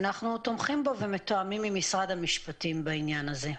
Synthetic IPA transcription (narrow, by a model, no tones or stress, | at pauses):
naχnut̪omχimbo̞ve̞met̪oamimːimisʁad̪hamiʃpat̪imbainjanaze̞